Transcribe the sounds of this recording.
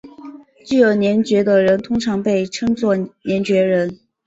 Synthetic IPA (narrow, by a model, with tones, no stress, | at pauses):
t͡ɕy˥˩jo˧˨˩ʊnjɛ˧˥nt͡ɕɥɛ˧˥d̪ə˧ɻə˧˥nt̪ʰʊ˥ŋʈ͡ʂʰɑ˧˥ŋpe˥˩ɪʈ͡ʂʰɤ˥ŋt͡swɔ˥˩njɛ˧˥nt͡ɕɥɛ˧˥ɻə˧˥n